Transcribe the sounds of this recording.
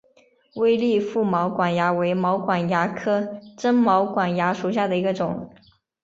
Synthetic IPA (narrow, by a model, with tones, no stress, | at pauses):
we˥ɪli˥˧fu˥˩mɑ˧˥ʊkwa˨˩nja˧˥we˧˥ɪmɑ˧˥ʊkwa˨˩nja˧˥kʰɤ˥ʈ͡ʂə˥nmɑ˧˥ʊkwa˨˩nja˧˥ʂu˨˩ɕ̬ja˥˩d̪ə˩i˧˥ɡə˧ʈ͡ʂʊ˨˩˦ŋ